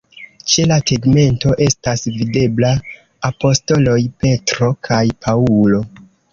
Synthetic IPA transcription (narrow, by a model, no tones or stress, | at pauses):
t͡ʃe̞lateɡme̞nto̞ʔe̞stasvide̞blaː | po̞sto̞lo̞jpe̞tɾo̞kʰajpʰaulo̞